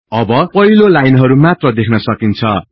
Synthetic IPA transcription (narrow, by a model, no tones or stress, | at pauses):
ʌbʌpʌɦilolajnɦʌɾumat̪rʌd̪ekʰnʌsʌkint͡sʰʌ